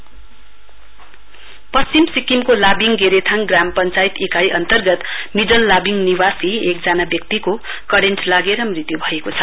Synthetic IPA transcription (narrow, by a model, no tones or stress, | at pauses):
pʌst͡simsikimkolabiŋɡeɾet̪ʰaŋɡrampʌnt͡sait̪ikajʔʌnt̪ʌrɡʌt̪miɖʌlːabiŋniwasiek̚d͡zanabjʌkt̪iko | kʌɽenʈlaɡeɾʌmrit̪jubʱʌekot͡sʰʌ